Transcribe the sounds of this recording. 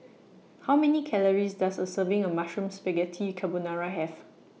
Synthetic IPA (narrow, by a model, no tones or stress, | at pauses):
hawmɛnikʰɛləɹisdasəsəvɪ̃ŋəmaʃɹũmspɛɡɛtʰikʰabonaɹaɦɛf